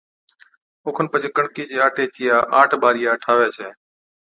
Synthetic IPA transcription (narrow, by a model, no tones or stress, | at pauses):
ʊːkʰənpəd͡ʒɪkəɳkiːd͡ʒeːaːʈeːt͡ʃɪjaːʔaːʈʰɓaːɾɪjaːəʈʰaːʋeːt͡ʃʰeː